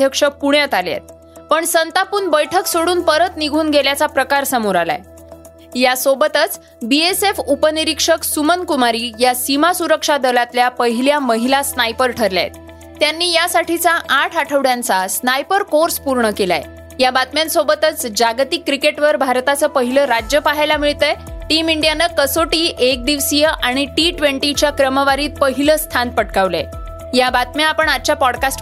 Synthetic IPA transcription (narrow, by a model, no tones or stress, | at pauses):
d̪ʱjəkʂəpuɳjat̪aljḛt̪̚ | pəɳsənt̪apuːɳbəjʈʰəksoɽuːnpəɾət̪niɡʱuːnɡʱeljat͡sapɾəkaɾsəmoɾala̰e | jasobət̪ət͡s | biesefupəniɾikʂəksumənkumaɾiːjasimasuɾəkʂad̪əlat̪ljapəɦiljaməɦilasnajpəɾʈʰəɾlja̰jḛt̪̚ː | janːiːjasaʈʰit͡saʔaʈʰaʈʰəʋɽjãnt͡sasnajpəɾkoɾspuɾɳəkela̰j | jabat̪mjãnsobət̪ət͡sd͡ʑaɡt̪ikːɾikeʈʋəɾbʱaɾt̪at͡səpəɦiləɾad͡ʑjəpaɦajlamiɭt̪əjʈimiɳɖjanəkəsoʈiːʔek̚d̪iʋsijəʔaɽ̃iʈiʈʋeɳʈit͡ɕjakɾəməʋaɾiːt̪̚pəɦiləst̪ʰanpəʈkaʋlḛ | jabat̪mjaapəɳat͡ɕjapɔɽkasʈ